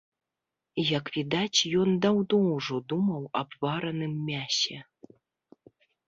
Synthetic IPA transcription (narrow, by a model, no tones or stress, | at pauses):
jɐkvʲid̪at͡sʲjɔnd̪awd̪ɔwʐɔd̪umɐwɐbvaɾɐnɨmːʲasʲɛ